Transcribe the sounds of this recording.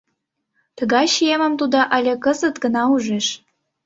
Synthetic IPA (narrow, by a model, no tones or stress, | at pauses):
t̪ə̆ɣɑjʃijemə̆mt̪ud̪ɑʔɑlʲekəzət̪ɡənɑuʒeʃ